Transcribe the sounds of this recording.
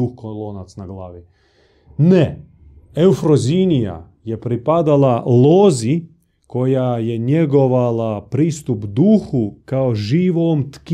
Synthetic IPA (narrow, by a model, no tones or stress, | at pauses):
uxkoloːnat̪snaɡlaːʋi | nɛ | ewfɾozinija̰ | jɛpɾipad̪alaloːzi | kojajɛɲjeɡoʋalapɾiːst̪upd̪uːxukaoʒiːʋomt̪k